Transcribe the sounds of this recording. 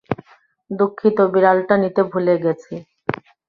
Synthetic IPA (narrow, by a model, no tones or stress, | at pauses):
d̪ukʰːit̪obiɾalʈanit̪ebʱuleɡɛt͡ɕʰe